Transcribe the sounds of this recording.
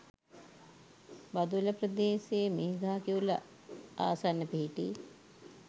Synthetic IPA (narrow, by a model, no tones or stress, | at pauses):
bad̪ulɐpɾɐd̪eːseːmiɦiɡaːkiulɐ̰ | a̰ːsanːəpiɦiʈi